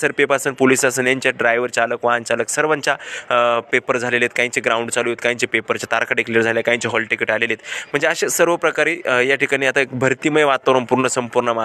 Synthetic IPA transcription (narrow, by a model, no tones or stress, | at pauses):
səɾpepasəːnpolisasəːnjaɲt͡ɕaɖɾajʋəɾt͡saləkʋaant͡saləksəɾʋaɲt͡ɕa | pepəɾd͡zʱalelet̪kaĩɲt͡ɕiɡɾauɳɖt͡salujet̪kajĩɲt͡ɕipepəɾt͡ɕat̪aɾkaɽekʰləɾd͡zʱaleljakaĩɲt͡ɕiɦɔlʈikeʈalelet̪m̤əɳd͡zeaɕesəɾʋəpɾəkaɾiːjaʈʰikaɽ̃iːat̪aekbʱəɾt̪iməjʋat̪əʋɾəmpuɾɳəsəmpuɾɳəma